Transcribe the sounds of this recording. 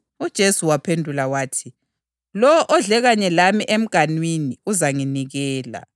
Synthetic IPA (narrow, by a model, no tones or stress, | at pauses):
ud̥ʒ̥ʱesuwapʰendʱulawaːtʰi | lɔɔʔɔɮɛɣaɲɛlamiʔem̩ɡ̥ʱanwiniuzaŋiniɣɛːla̰